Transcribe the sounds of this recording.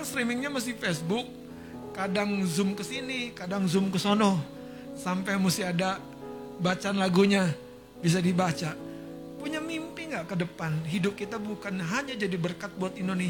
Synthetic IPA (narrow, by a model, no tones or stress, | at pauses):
ŋst̪ɾimɪŋɲamas̬ɪhfɛsbʊk̚ː | adaŋzʊmkəsinikadaŋzʊmkəsonɔ | sampɛjmusɪada | bat͡ʃaanlaɡuɲa | bis̬adibat͡ʃa | puɲamimpɪŋɡaʔkədəpanɦidʊp̚kit̪abukanɦaɲad͡ʒadibərkat̪̚buat̪indone